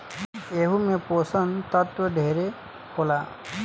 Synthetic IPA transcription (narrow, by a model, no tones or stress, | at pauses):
eɦumeposənt̪ɔt̪wɔɖʱeɾe | kola